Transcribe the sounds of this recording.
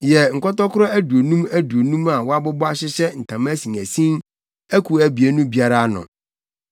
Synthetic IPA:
jɛ˨ŋ̩˨kɔ˦tɔ˦kʰʊ˦ɾɔ˦æ˦du˨o˨nũ˦mæ˦du˨o˨nũ˦ma˨wɔ˦a˦bɔ˦bɔ˦a˦ɕɪ˦ɕɛ˦n̩˨tʰã˨m˦æ˦sĩ˨ŋæ˨sĩ˦n | æ˦kʰu˨æ˨bi˨e˦nũ˦bi˦a˦ɾa˦nʊ̰̃˨

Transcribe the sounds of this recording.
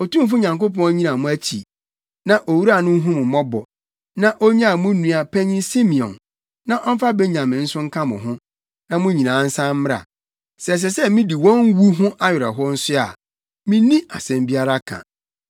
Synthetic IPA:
o˨tũ˦f̬u˦ɲã˨ŋko˦pʰɔ̃˦ɲĩ˦nã˨mʊ̃˦æ˦t͡ɕʰi˨ | nã˨ʔo˨wu˦ɾa˨nʊ̃˦ɦũ˦mʊ̃˨mɔ̃˦bɔ̰˨ | nã˦ʔo˦ɲã˦a˨mʊ̃˦nũ˨a˨pʰɛ̃˦ɲĩ˦si˦mĩ˨ɔ̰̃˨n | nã˦ʔɔ˦m̩˦fa˦be˦ɲã˨mɪ̃˨n̩˦sʊ̃˦ŋ̩˦kʰã˦mʊ̰̃˨ɦʊ̃˦ | nã˦mʊ̃˦ɲĩ˨nãː˨˦n̩˦sã˦m̩˦mɪ˦a̰˨ | sɛ˨s̬ɛ˨sɛ˦mĩ˦di˨wɔ̃˦ŋ˦wu˦ɦʊ̃˦ʔa˦ɥɪ˨ɾɛ˨ɦɔ˦n̩˦sʊ˦a̰˨ | mĩ˦nĩ˦ʔa˨sɛ̃˨mbi˦a˦ɾa˦kʰã̰˨

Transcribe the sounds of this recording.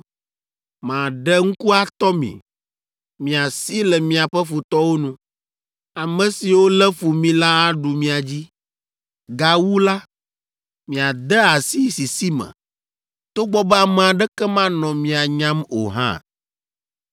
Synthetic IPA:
mã˨ɖɛ˦ŋ̩˦ku˦a˨t̪ɔ˦mḭ̃˨ | mĩ˨a˨si˦lɛ˨mĩ˨a˨ɸɛ˦fu˨t̪ɔ˦wo˦nũ˦ | a˨mɛ̃˨si˨wo˦lɛ˦fu˨mĩ˦la˦a˦ɖu˨mĩ˦a˨d͡ʑi˦ | ɡa˨wu˦la˦ | mĩ˨a˨d̪ɛ˦a˨si˦si˨si˦mɛ̰̃˨ | t̪o˦ɡ͡bɔ˦bɛ˦a˨mɛ̃˨a˨ɖɛ˦kɛ˦mã˦nɔ̃˨mĩ˨a˨ɲã˦mo̰˨ɦã̰˦

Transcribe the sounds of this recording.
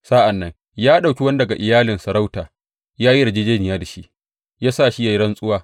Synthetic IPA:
saː˦ʔa˨nːɐ˦ŋ | jaː˦ɗa˨wkʲi˦wɐ˦n˦dɐ˨ɡa˨ʔɪ˨jaː˦lɪ˨nsɐ˨ɾa˦wtaː˨ | jaː˦ji˦ɽɐ˨d͡ʒeː˦d͡ʒeː˦nɪ˨jaː˦da˨ʃi˦ʔ | jaː˦saː˦˨ʃi˦ja˨jɽɐ˦nsʼʊ˦waː˦

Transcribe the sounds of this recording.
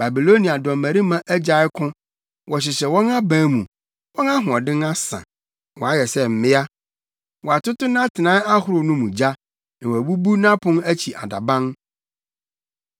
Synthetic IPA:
ba˨bi˨lo˦nĩ˨a˨dɔ̃˨mæ̃˨ɾi˦mã˦ʔæ˦d͡ʑa˨ɪ˦kʰʊ̃˦ | wʔɔ˨ɕ̬ɪ˨ɕɛ˨wɔ̃˦nã˦bã˦mũ˨ | wɔ̃˦na˦ɦʊ̃˨ɔ˨dɪ̃˦na˦sã̰˨ | wɔ̃˨a˦jɛ˨sɛ˦m̩˨mɪ̃˦a˦ | wɔ˨a˨tʊ˦tʊ˦nã˦tʰɪ˨nã˨˦a˦hʊ˦ɾʊ˨nũ˦mũ˨d͡ʑa˦ | n̩˨wæ˨bu˦bu˦nã˦pʰʊ̃˦næ˦t͡ɕʰi˨ʔa˨da̰˨bã˦n

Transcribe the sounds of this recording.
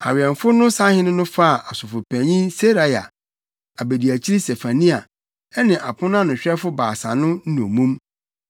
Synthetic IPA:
a̰˨ɥɛ˨ɱ˨fʊ˦nʊ̃˦sã˦hɪ̃˦nʊ̃˦nʊ̃˦fa˦˨ʔa˨sʊ˨fʊ˨pʰæ̃˨ɲĩ˦se˦ɾa˦ja̰˨ | a˨be˨di˨æ˨t͡ɕʰi˦ɾi˦se˨fa˨nĩ˦a˨ | ɛ˦nɪ̃˨ʔa˨pʰʊ̃˦n˦ã˦nʊ̃˨ɕᶣɛ˦fʊ˦baː˨sã̰˨nʊ̃˦n̩˦nũ˨mũ˦m

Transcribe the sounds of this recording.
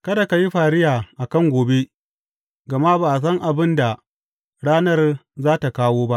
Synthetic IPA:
kɐ˦da˨ka˨ji˦ɸaː˨ɾɪ˦jaː˨ʔa˨kɐ˦ŋɡʷoː˨be˦ | ɡɐ˨ma˦baː˨s̬ɐ˦ŋʔa˨bɪ˦nda˨ | ɽaː˦nɐ˦rzaː˦ta˨kaː˦woː˦ba˦ʔ

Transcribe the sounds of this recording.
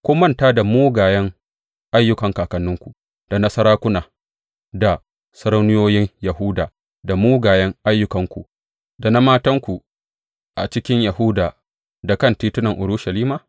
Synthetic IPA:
kʷʊː˦mɐ˦˨ntaː˦da˨muː˦ɡaː˨jɐ˦ŋ | ʔa˦jːʊ˦kɐ˨ŋkaː˨kɐ˨nːʊ˦ŋkʷu˨ | d̥a˨nɐ˦sɐ˦ɾaː˦kʷʊ˦naː˨ | da˨ | sɐ˦ɾɐ˦wnʊ˦joː˦jɪ˦ŋjɐ˨ɦu˦daː˨ | da˨muː˦ɡaː˨jɐ˦ŋʔa˦jːʊ˦kɐ˨ŋkʷṵ˨ | da˨na˦maː˦tɐ˦ŋkʷu˨ | ʔa̰˨t͡ʃɪ˦kʲɪ˦ɲja˨hu˦daː˨ | da˨kɐ˦ntiː˦tʊ˦nɐ˨ŋʔʊ˨ɽʊ˦ʃa˨liː˦maː˨

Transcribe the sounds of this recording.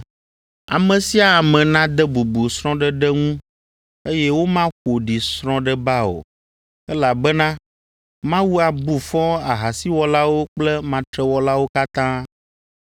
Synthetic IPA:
a˨mɛ̃˨si˦a˨a˨mɛ̃˨nã˦d̪ɛ˦bu˨bu˨sɾɔ̃˦ɖɛ˦ɖɛ˦ŋũ˦ | e˦jɛ˦wo˦mã˦xo˨ɖi˨sɾ̃ɔ̃˦ɖɛ˦ba˦o̰˨ | ɛ˦la˨bɛ˦nã˦ | mã˦wu˦a˨bu˨fɔ̃˦a˨ɦa˨si˦wɔ˦la˦wo˦k͡plɛ˦mã˨t̪ɾɛ˦wɔ˦la˦wo˦ka˦t̪ã˦

